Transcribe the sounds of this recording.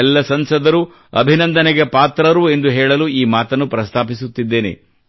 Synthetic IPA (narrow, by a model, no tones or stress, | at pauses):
ɛlːɐsɐnsɐd̪ɐɾu | ɐ̰bʱinɐnd̪ɐnɛɡepaːt̪ɾɐɾue̞nd̪uɦɛːɭɐluiːmaːt̪ɐnːupɾɐst̪ʰaːpisut̪ːid̪ːeːnḛ